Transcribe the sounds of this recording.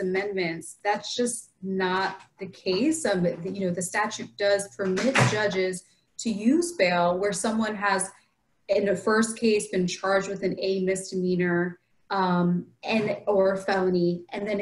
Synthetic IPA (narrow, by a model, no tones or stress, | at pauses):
ɨmɛ̃nmɨ̃ntsðætsd̥ʒ̥ʌs | nət̪̚ðɨkʰeɪsʌmjɨnoʊðɨstæt͡ʃʉt̚d̥ʌz̥pʰə˞mɪt̚d̥ʒ̥ʌd͡ʒɪz̥ | tʰɨjʉzbeɪlˠwə˞sʌ̃mwʌ̃nəz | ɨ̃nðɨfɜ˞skʰeɪsb̥ɨ̃nt͡ʃʰɑɹd͡ʒd̚wɨðɨ̃neɪmɪsd̥ɨmĩnə˞ | ʌ̃mɨ̃nə˞fɛlˠəniʔɨ̃nðɨ̃n